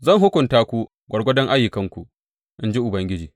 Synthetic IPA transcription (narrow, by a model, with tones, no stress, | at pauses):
zɐ˦˨ŋɦʊ˦kʷʊ˨ntaː˦kʷu˦ | ɡʷɐ˨ɽɡʷɔ˦dɔ˦ŋʔa˦jːʊ˨kɐ˦ŋkʷu˨ʔ | ʔɪ˦nd͡ʒi˦ʔʊ˨bɐ˦ŋɡʲɪ˦d͡ʒiː˨